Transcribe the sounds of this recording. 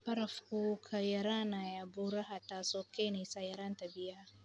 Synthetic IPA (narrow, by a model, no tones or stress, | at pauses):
pɐɾɐfkukʰajɐɾanajaboɾɐhatasokːenesajɐɾɐntabɪja